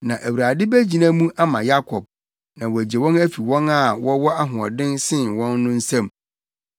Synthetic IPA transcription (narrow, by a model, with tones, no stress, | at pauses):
nã˨ʔæ˨wu˨ɾa˨dɪ˦bæ˦d͡ʑi˨nã˦mũ˦ʔa˦mã˨ja˦kʰɔ˨b̚ | nã˨wɔ˨æ˨d͡ʑe˨wɔ̃˦næ˦fi˨wɔ̃˦na˦˨wɔ˦wɔ˦a˦ɦʊ̃˨ɔ̰˨dɪ̃˦nsɪ̃˦˨nwɔ̃˦nːʊ̃˦n̩˦sã˦˨m